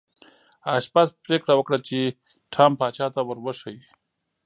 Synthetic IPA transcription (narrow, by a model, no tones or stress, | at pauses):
aʃpaspɾekɽawəkɽat͡ʃe | ʈʰaːmpaːt͡ʃaːt̪awəɾwəʂawi